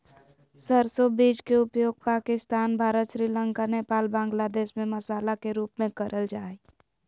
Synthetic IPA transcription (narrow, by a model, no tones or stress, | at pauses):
səɾsobiːd͡ʒkeʊpjoːɡ̚paːkɪst̪aːnbʱaːɾət̪ʃɾiːləŋkaneːpaːlbãːŋɡlad̪eːʃmẽməsaːlakeɾuːpmẽkəɾʔəld͡ʒaːi